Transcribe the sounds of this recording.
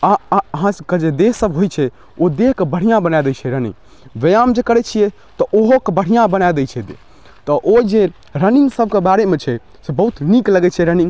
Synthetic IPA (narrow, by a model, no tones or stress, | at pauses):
aəɦãked͡ʒed̪eɦsəbɦojt͡ʃʰɛ | od̪eɦkebəɽ̤ijãbənajd̪ɛt͡ʃʰɛɾənḭ | ʋejamd͡ʒekəɾɛt͡ʃʰijɛ | t̪ɔʔoɦokebəɽ̤ijãbənajd̪ɛt͡ʃʰɛd̪ḛ | t̪ɔʔoid͡ʒe | ɾəniŋɡsəb̚ʱkebaɾemet͡ʃʰɛ | sebəɦut̪nikləɡɛt͡ʃʰɛɾəniŋɡ